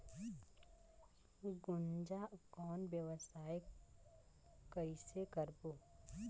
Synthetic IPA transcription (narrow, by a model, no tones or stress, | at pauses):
ɡʊnd͡ʒakɔːnbjəwsaːj | kəisekəɾboː